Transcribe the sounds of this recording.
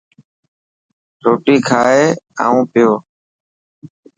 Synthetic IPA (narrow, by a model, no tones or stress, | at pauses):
ɾoːʈiːkʰaːeːa̰ːũːpɪjoː